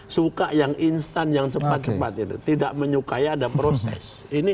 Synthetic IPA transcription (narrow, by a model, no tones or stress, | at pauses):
sukaʔjaŋʔinst̪anjaŋt͡ʃəpat̪̚t͡ʃəpat̪̚it̪ṵt̪idaʔməɲukaiadapɾosɛ̰sini